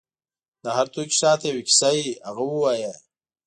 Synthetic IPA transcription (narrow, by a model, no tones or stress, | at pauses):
d̪ahaɾt̪oki̥sɑːt̪ewɪki̥sajiaɣawəwaja